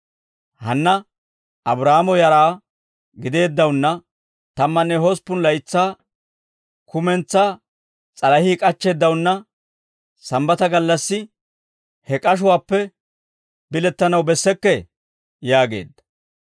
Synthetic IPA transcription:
hɐnːɐ | ɐbɾaːmɔjɐɾaː | ɡɪd̪e̞ːd̪ːɐwʊnːɐ | t̪ɐmːɐnːɛhɔspːʊnlɐjt͡sːaː | kʊmɛnt͡sːaː | t͡sʼɐlɐhiːkʼɐt͡ʃːeːd̪ːɐwʊnːɐ | sɐmbɐt̪ɐɡɐlːɐsːɪ | hɛkʼɐʃ̬ʊwaːpːɛ | bɪlɛt̪ːɐnɐwbɛsːɛkːɛ | jaːɡe̞̰ːd̪ːɐ̥

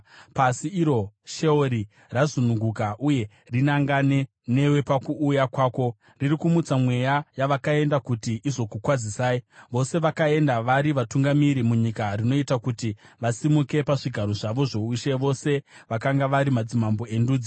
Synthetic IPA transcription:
pasiːɾo̞ʃe̞oɾi | razunuŋɡukaʔuje̞ | rinaŋɡane̞ | ne̞we̞pakuːjakwaːko̞ | riɾikumut͡samwe̞jajaʋakae̞ndakutiizo̞kukwad͡zisaːiʋo̞se̞ʋakae̞ndaʋaɾiʋatuŋɡamiɾimuɲikarino̞itakutiʋasimuke̞paʐiɡʱaɾo̞ʐaʋo̞ʐo̞uʃeʋo̞se̞ʋakaŋɡaʋaɾimad͡zimambo̞e̞nduːd͡zi

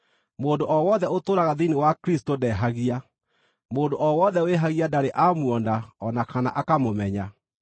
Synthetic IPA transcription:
moːndoʔɔwɔːðɛotoːɾaɣaðinewakɾistodɛːɦaɣia | moːndoʔɔwɔːðɛweɦaɣiadaɾeʔamwɔndaɔnakanaʔakamomɛɲa

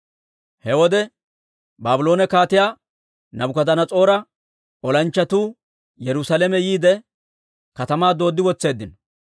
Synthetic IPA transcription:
hɛwɔd̪ɛ | baːbʊlo̞ːnɛkaːt̪ɪjaː | nɐbʊkɐd̪ɐnɐt͡sʼo̞ːɾɐ | ɔlɐnt͡ʃːɐt̪uː | jɛɾʊsalemɛjiːd̪ɛ | kɐt̪ɐmaːd̪o̞ːd̪ːɪwɔt͡sːe̞ːd̪ːɪnɔ

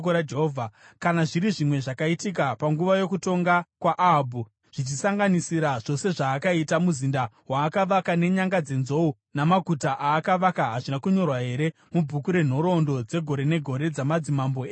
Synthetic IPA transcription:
koɾad͡ʒeɦovʱakanaʐiɾiʐimwe̞ʐakaitik̬apaŋɡuʋajo̞kuto̞ŋɡakwaʔːbʱu | ʐ̥it͡ʃisaŋɡanisiɾaʐ̥o̞se̞ʐaːkaitamuzinda | waːkaʋakane̞ɲaŋɡad͡ze̞nzo̞u | namaɡʱutaʔaːkaʋakaɦaʐinakuɲo̞rwaɦe̞ɾe | mubʱukuɾe̞n̤o̞ɾo̞ndo̞d͡ze̞ɡʱo̞ɾe̞ne̞ɡʱo̞ɾe̞d͡zamad͡zimamboeː

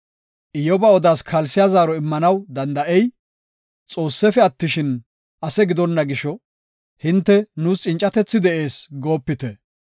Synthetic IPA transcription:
ʔɪjɔbɐɔd̪aːskʰɐlsɪjazaːɾɔɪmːɐnɐwd̪ɐnd̪ɐʔɛj | t͡sʼo̞ːsːɛfɛɐt̪ːɪʃɪn | ʔɐsɛɡɪd̪ɔnːɐɡɪʃɔ | hɪnt̪ːɛnuːst͡ʃʼɪnt͡ʃʼɐt̪ɛt͡sːɪd̪ɛʔe̞ːsɡo̞ːpːɪt̪ɛ

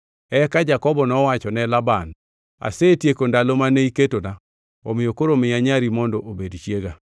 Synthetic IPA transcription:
ɛkad͡ʒakɔbɔnɔwat͡ʃɔnɛlaban | a̰seːtjekondalomaneiketona | o̰mɪjokoɾomɪjaɲaɾimɔndɔʔobedt͡ʃjeɡa

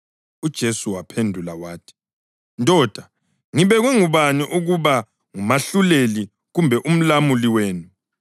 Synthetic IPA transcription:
ud̥ʒ̥ʱesuwapʰendʱulawaːtʰi̥ | ntʼɔːd̥ʱa | ŋiβɛɣwɛŋuβaniʔuɣuβa | ŋumaɬuleli | ɣumbʱɛʔum̩lamuliweːnu

